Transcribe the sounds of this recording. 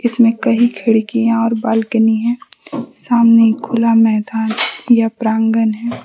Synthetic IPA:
ɪsmẽkɐɦikʰɪɽikijãɔːɾbaːlkəniɦɛ̃ːsaːmnekʰʊlamɛɦd̪aːnjapɾãːŋɡənɦɛː

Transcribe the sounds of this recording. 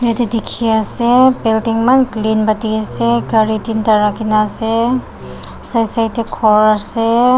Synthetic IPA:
ɾetidikʰiasebeltiŋmanklinbatiaseɡɐɾitintaɾakinase | sajsajtikʰɔɾase

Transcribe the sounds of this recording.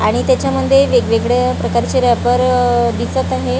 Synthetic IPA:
aɽ̃it̪jat͡ɕjaməd̪ʱːjeʋeɡʋeɡɭepɾəkaɾt͡ɕeɾapəɾd̪isət̪aɦe

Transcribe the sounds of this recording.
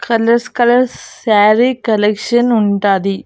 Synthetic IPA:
kɐlɐɾskɐlɐɾsaːɾikɐlekʂɐnʊɳɖaːði

